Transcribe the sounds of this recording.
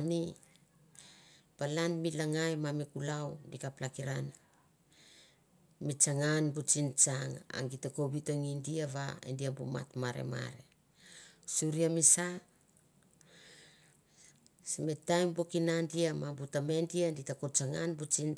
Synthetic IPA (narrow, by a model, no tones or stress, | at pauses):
ani | b̥alanmilaŋajmamikulawdikaplakiɾan | mit͡ʃaŋanbut͡ʃint͡ʃaŋa̰ŋɡitako̞bitoŋindiaβa̰ḛndiambuma̰tmaɾḛma̰ɾe̞̰ | suɾiamisa | simetajmbokinandiamabutame̞ndianditakot͡ʃaŋanbut͡ʃin